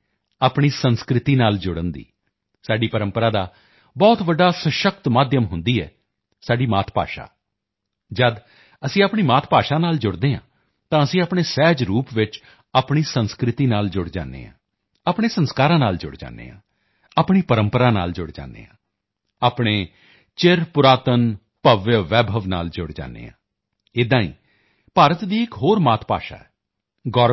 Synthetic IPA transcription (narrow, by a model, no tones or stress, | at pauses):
aːpɳ̃iːsənskɾɪt̪iːnaːld͡ʒʊɽənd̪ḭː | saːɖiːpəɾəmpəɾaːd̪aː | bɔːt̪ʋəɖːaːsəʃək̚t̪maːd̪jəmɦʊnd̪iːɛ̰ː | saːɖiːmaːt̪ʰpa̰ːʃa̰ː | d͡ʒəd̪ | əsĩːaːpɳiːmaːt̪ʰpaːʃaːnaːld͡ʒʊɽd̪eːɦã̰ː | t̪ãːəsĩːaːpɳeːsɛːd͡ʒɾuːpʋɪt͡ʃ | aːpɳiːsənskɾɪt̪iːnaːld͡ʒʊɽd͡ʒa̰ːnːḛːã̰ː | aːpɳeːsənskaːɾãːnaːld͡ʒʊ̰ɽd͡ʒa̰ːnːḛːã̰ː | aːpɳ̃iːpəɾəmpəɾaːna̰ːld͡ʒʊɽd͡ʒa̰ːnːḛːãː | aːpɽ̃eː | t͡ʃɪɾpʊɾaːt̪ən | pəʋjəʋɛːbʱəʋna̰ːld͡ʒʊɽd͡ʒa̰ːnːḛːã̰ː | ɪd̪ãːḭː | paːɾət̪d̪iːɪkɦoːɾmaːt̪ʰpa̰ːʃa̰ːɛː | ɡɔː